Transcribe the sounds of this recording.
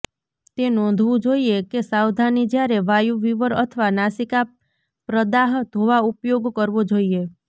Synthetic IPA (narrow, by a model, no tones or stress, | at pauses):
t̪enɔ̃nd̪ʱʋũd͡ʒoiekesawd̪ʱanid͡ʒjaɾeʋajuʋiʋəɾət̪ʰəʋanasika | pɾəd̪aɦt̪ɦoʋaupjoɡkəɾʋod͡ʒoie